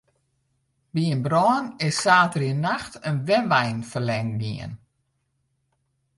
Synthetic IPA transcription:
biənbrɔːnɪsːaːtəriənaxtʰənʋɛnʋɛjnfərlɛŋdḭə̰n

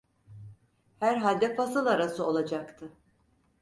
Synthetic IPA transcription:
hæɾɦalʲd̪ɛfasɯlˠaɾasɯo̞lˠad͡ʒakt̪ʰɯ

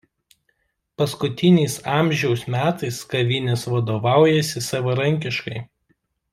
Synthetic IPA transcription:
pɐskʊt̪ʲɪnʲɛɪsɑːˑmʲʒʲɛʊsmʲæːt̪ɐɪskɐʋʲɪnʲɛsʋɐd̪oːʋɑˑʊjɛsʲɪsɐʋɐɾɐŋʲkʲɪʃkɐɪ

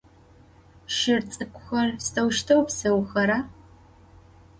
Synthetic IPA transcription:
ʃɪrt͡sʼɨkʷʰʼʊxɐrstʰɐwʃtʰɐwpsɨwxɐɾa

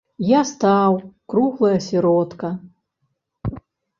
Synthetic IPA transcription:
jast̪awkɾuɣlˠɐjɐsʲɛɾɔt̪kɐ

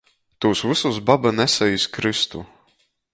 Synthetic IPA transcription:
t̪uːsvɨsus̬babanɛsɛjisʲkɾɨst̪u

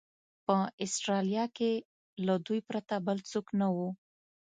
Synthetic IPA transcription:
pəɪsʈɾɑljɑke | lad̪ujpɾat̪abəlt͡soknawu

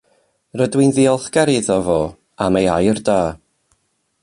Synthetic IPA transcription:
rədwɪnðiɔlˠθɡ̥ɛɾiðɔvoː | amejajrdaː

